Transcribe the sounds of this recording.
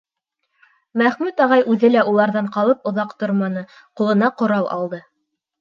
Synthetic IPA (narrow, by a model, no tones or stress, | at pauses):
mæχmʉt̪ɑʁɑjʔʉðɘlæʔulˠɑɾðɑɴqɑlˠɤpŏðɑqt̪oɾmɑnɤ | qulˠɤ̆nɑqŏɾɑw̪ˠʔɑ̰lˠd̪ɤ